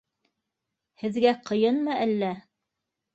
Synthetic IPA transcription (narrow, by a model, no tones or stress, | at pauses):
hɘ̆ðɡæqʰɤ̆jɤnmɤʔælːæ